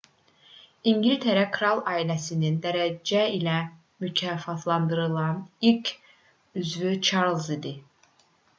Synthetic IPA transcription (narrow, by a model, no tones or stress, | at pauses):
iɲɟilʲt̪ʰeɾækʰɾɑlˠɑːilæsinind̪æɾæd͡ʒæilæ | mycʰæfɑt̪ʰlˠɑnd̪ɯɾɯlˠɑnilcʰ | yzvyt͡ʃʰɑɾlˠzid̪i